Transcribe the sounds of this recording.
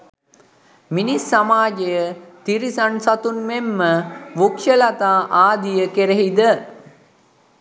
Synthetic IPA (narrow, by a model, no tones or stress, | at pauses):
minisːamaːd͡ʒejət̪iɾisansat̪unmemːəʋukʃəlat̪aːʔaːd̪ijəkeɾeɦid̪ə